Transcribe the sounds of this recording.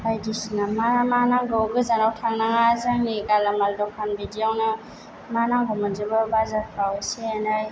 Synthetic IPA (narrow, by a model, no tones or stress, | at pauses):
bajdisinamaɾamanaŋɡɔɡɯzanawtʰaŋnaŋazaŋniɡalamaldɔkʰanbidijawna | manaŋɡɔmad͡ʒɯbabazapʰɾaweseanaj